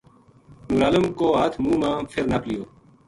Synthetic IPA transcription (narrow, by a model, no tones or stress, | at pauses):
nuɾɐləmkoːat̪ʰmũːmãːfʰeɾnɐplijoː